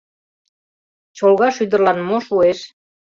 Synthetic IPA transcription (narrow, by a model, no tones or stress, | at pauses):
t͡ɕolɣɑʃyd̪ə̆rlɑnmoʃueʃ